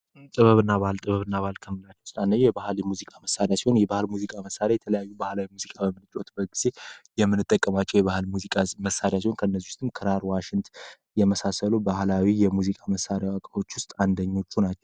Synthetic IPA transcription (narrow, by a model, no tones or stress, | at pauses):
t̪ʼɨβəβɨnːaβahɨlt̪ʼɨβəβɨnːaβalkʰəmɨlat͡ʃːɛwsɨlanːəɲjɛbahljɛmuzikʼaməsaɾjasiho̞njɛbahɨlmuzikʼaməsːaɾjajɛt̪ʰələjajːubahlawimuzikʼabəmɨlɨt͡ʃʼo̞t̪bəɡiz̥e̞jɛmːɨnːɨt̪ʼːəkʼːəmat͡ʃːɛwjɛβahlmuzikʼaməsaɾjasihonkʰəɨnːəzːiʊst̪ʰʼːɨmkʰɨɾaɾwaʃɪnt̪ | jɛməsasəlubahlawijɛmuzikʼaməsaɾjawakʼao̞t͡ʃːwʊst̪ʼand̪əɲːo̞t͡ʃːunat͡ʃːɛw